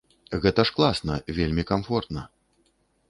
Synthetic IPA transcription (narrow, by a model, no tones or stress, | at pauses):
ɣɛt̪ɐʂklˠasnɐvʲelʲmʲikamfɔrt̪nɐ